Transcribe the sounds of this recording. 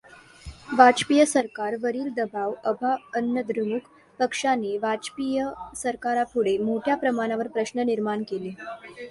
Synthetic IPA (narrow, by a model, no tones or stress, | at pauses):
ʋat͡ɕpijəsəɾkaɾʋəɾiːld̪əbaʋəbʱaənjəd̪ɾumuk | pəkʂaneʋat͡ɕpijəsəɾkaɾapuɽemoʈʰjapɾəmaɽ̃aʋəɾpɾəɕnəniɾmaɳkele